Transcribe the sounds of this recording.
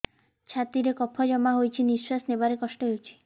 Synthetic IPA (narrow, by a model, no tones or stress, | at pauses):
t͡ʃʰat̪iɾekɔpʰɔd͡ʒɔmaɦojt͡ʃʰiniswasnebaɾekɔsʈɔɦewt͡ʃʰi̥